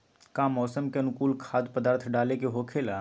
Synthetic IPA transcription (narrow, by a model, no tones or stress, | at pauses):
kamɔːsəmkeɐnʊkuːlkʰaːd̪pəd̪aːɾt̪ʰɖaːlekeɦoːkʰeːla